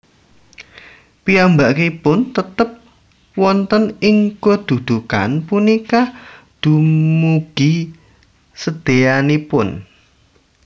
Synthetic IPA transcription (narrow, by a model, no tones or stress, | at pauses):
piambaʔkepʊnt̪ət̪əp̚ | wɔnt̪ənɪŋkod̪̥ṳd̪̥ṳka̰npunikad̪̥ṳmuɡ̥i | səd̪̥e̤janipʊn